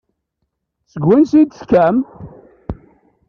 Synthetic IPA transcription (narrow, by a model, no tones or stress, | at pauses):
t͡səɡwinsid̪skæm